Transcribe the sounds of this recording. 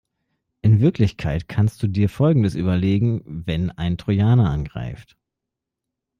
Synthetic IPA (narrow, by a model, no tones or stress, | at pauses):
ʔɪnvɪɐklɪçkʰaɪtkʰanst̚d̥uːdiːɐfɔlɡŋ̩dəsʔy̰ːbɐleːɡŋ̩vɛna̰ɪntʁ̥ojaːnaʔanɡʁa̰ɪft